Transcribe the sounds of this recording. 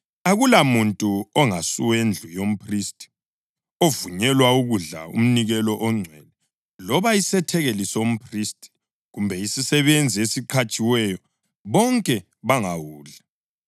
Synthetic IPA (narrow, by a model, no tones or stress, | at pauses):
aɣulamuntʼuɔŋasuwend͡ɮʱujom̩pʰristʼi̥ | ovuɲɛlwauɣuɮa̰ṵm̩niɣɛlɔʔɔŋ͡ǀʱwɛlɛ | lɔβaisɛtʰɛɣelisom̩pʰristʼi̥ | ɣumbʱɛisisɛβend͡zʱiesiǃʰat͡ʃʼiwɛjɔ | βɔŋkʼɛ | βaŋawuːɮa